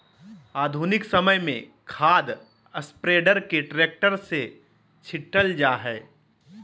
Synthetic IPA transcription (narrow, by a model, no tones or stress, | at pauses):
aːd̪ʱunɪksɐməjmẽkʰaːd̪ | əspɾeːɖəɾkeʈɾeːk̚ʈəɾse | t͡ʃʰɪʈəld͡ʒaːɦɛː